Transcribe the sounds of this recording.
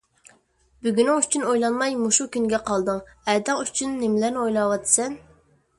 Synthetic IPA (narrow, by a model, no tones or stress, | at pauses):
byɡʲynɪŋyt͡ʃʰynojlˠɑnmɑjmuʃukʲynɡʲɛqʰɑlˠd̪ɨŋæd̪ɑŋyt͡ʃʰynːɪmlæɾnɪojlˠɑwɑt̪ʰɨ̥sɛn